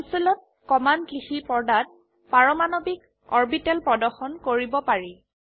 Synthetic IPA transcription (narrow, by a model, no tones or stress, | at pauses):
usilɔt̚ | kɔmankixipɔɹdat̚ | paɹɔmanobik̚ | ɔɹbitɛlpɹɔdɔxɔnkoɹibɔpaɹi